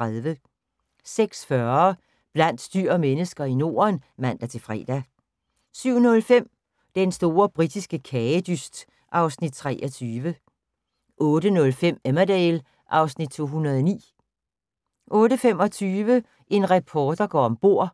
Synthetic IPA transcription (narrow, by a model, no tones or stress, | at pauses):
aðˠʋə | seɡ̥sfɶɐ | b̥læn̰d̥sd̥yɐ̰menəsɡ̥ɐino̝̰ːɐnʋæn̰d̥æt͡sʰe̝lfʁɛ̰ːd̥æ | syʊ̰nɔ̽lfem̰ | d̥ensd̥o̝ːɐb̥ʁid̥isɡ̥əkʰɛd̥ysd̥ | ʔɑ̈ʊsnid̥̚t͡sʰʁɛːʔɒt͡sʰyːʋə | ʔɔ̽ːdənɔ̽lfem̰emæd̥ɛɪl | ʔɑ̈ʊsnid̥̚t͡sʰo̝̰ːɦunʁɐðˠɐnḭː | ʔɔ̽ːɾəfem̰ɒ̽t͡sʰyːʋə | ʔe̝nʁɛpʰɒːd̥ɐɡ̥ɒ̰ɒmb̥o̝ɐ̰